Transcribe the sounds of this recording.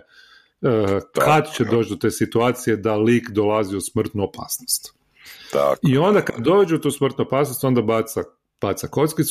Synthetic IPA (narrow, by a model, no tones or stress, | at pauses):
kad̪t͡ɕed̪o̞ːt͡ʃd̪ot̪e̞ːsit̪uaːt̪sijed̪aliːkd̪olaziusmr̩t̪nuopa̰ːsnost̪ | io̞nd̪akad̪d̪o̞ʋed͡ʑeot̪uːsmr̩t̪nuopaːsnost̪o̞nd̪abat̪sa | b̥at̪sako̞t̪skit̪s